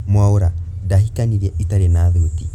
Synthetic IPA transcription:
mwaoɾadaɦikaniɾɛʔitaɾɛnaβeːti

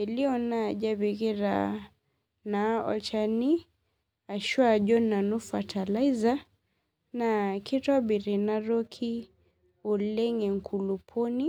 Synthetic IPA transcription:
liɔnad͡ʒaβiɣiɾa̰ | naɔ̰lt͡ʃani | aʃuad͡ʒɔnanufatʰalaiza | nakitabiɾinaɾɔkʰi | ɔlɛŋɛŋ̩kʰulupʰɔni

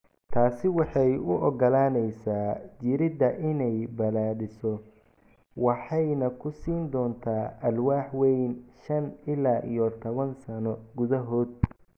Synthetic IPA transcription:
t̪ʰaːsɪwɑħɑjʊʔɔɡɔlaːnɛjsaːd͡ʒɪɾɪd̪ɐʔɪnɛjbɐlaːðɪsɔ | wɑħɑjnɐkʰʊsiːnd̪ɔːnt̪ʰaːʔɐlwaːħwɛjnʃɐnɪlaːʔḭjɔt̪ʰɔβɐnsɐnɔɡʊðɐɦɔːd̪̚

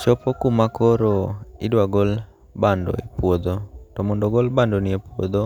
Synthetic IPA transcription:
t͡ʃɔpokumakoɾoɪdwaɡol | bandɔ̰epwod̪otɔmɔndɔɡolbandonɪepwo̰d̪o

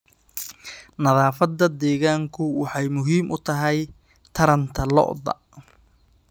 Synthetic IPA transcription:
nɐðaːfɐd̪ɐd̪ɛːɣaːŋkʰʊwɑħɑjmʊɦiːmʔʊt̪ʰɐɦɛj | t̪ʰɐɾɐnt̪ʰɐlɔ̰ʔd̪ɐ̰

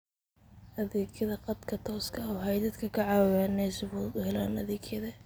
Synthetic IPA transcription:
ʔɐðiːɡʰjɐðɐqɑd̪kʰɐt̪ʰɔːskʰɐʊwɦɐjd̪ɐd̪kʰɐkʰɐʕɑːwɐɣanɛːsɪβuːd̪ʊɦɛlaːnɐðiːkʰjɐðɐ

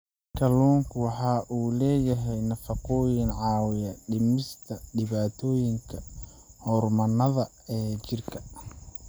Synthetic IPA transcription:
kʰɐluːŋkʰwɑħɑːʔuːlɛːjɐɦɛjnɐfɑqɔːjɪnʕɑːwɪjɐɖɪmɪst̪ʰɐɖɪβaːt̪ʰɔːjɪŋkʰɐ | hɔːrmɐnɐðɐ | ɛːt͡ʃɪrkʰɐ̥

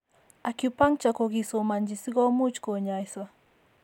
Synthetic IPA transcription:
akupaŋt͡ʃakoɡisomand͡ʒisiɡomut͡ʃkoɲajswa

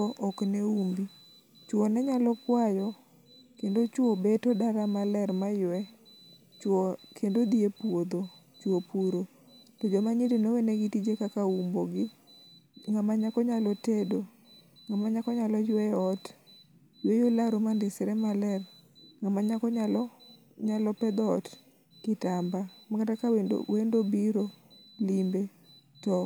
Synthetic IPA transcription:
ʔɔkneumbi | t͡ʃwɔnɛɲalɔkwajɔ | kendot͡ʃwobetɔdaɾamalɛɾmajwɛ | t͡ʃwɔkʰendod̪iepuwod̪o | t͡ʃwopuɾo | tod͡ʒomaɲidinoweneɡitid͡ʒekakaumboɡɪ | ŋamaɲakɔɲalɔtedo | ŋamaɲakɔɲalɔd͡ʒwɛjɔt | d͡ʒwejolaɾomandɪsɛɾɛmalɛrŋamaɲakɔɲalɔ | ɲalɔpɛd̪ɔɔ̰t | kɪtambamakatakawendo̰wendobiɾolimbe | tɔ

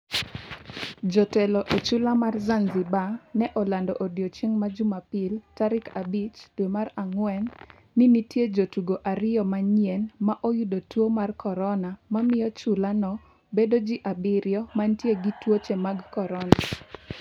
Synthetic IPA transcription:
d͡ʒɔtɛlɔʔot͡ʃulamarzanzɪbanɛʔɔlandɔʔodjot͡ʃeŋmad͡ʒumapɪltaɾɪkabit͡ʃdwemaraŋwɛnː | initjed͡ʒotuɡoʔaɾɪjɔmaɲjɛnmaʔojudotwomarkɔɾɔnamamɪjɔt͡ʃulanɔ | bedod͡ʒiʔabɪɾjɔmantjeɡitwot͡ʃɛmaɡkɔɾɔna

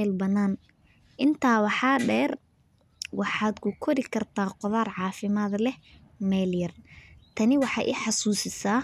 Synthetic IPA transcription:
ɛlbɐnaːn | ʔɪnt̪ʰaːwɑħɑːɖɛːr | wɑħɑːd̪kʰʊkʰɔɾɪkʰɐrt̪ʰaːqɔðaːrʕɑːfɪmaːd̪lɛ | mɛːljɐrt̪ʰɐnɪwɑħɑːʔɪ̰ħɑsuːsɪsaː

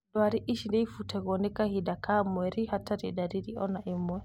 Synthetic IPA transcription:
ɗɔaɾiʔiʃindɛifutɛɡɔnikahidakamɔɛɾihataɾidaɾiɾiɔnaʔimɔɛ

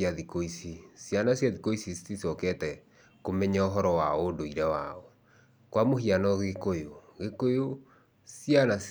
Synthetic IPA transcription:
aðikoisisjanasjaðikoisisisisɔkɛtɛ | komɛɲaoɦɔɾɔwaodoiɾɛwaɔ | kwamoɦianɔɣekojoɣekojo | sianas

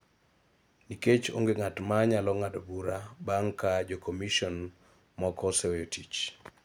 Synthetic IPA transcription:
niket͡ʃo̰ŋɡeŋatmaɲalɔŋadobuɾabaŋkad͡ʒɔkɔmiʃɔn | mɔkɔsɛweotit͡ʃ

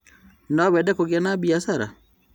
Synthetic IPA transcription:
nɔbɛdɛkoɡjanabiasaɾa̰

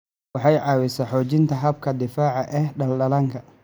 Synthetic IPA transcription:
wɑħɑjʕɑːwɪsɐħɔːt͡ʃɪnt̪ʰɐɦɐb̚kʰɐd̪ɪfaːʕɑʔɛhɖɐlɖɐlɐŋkʰɐ

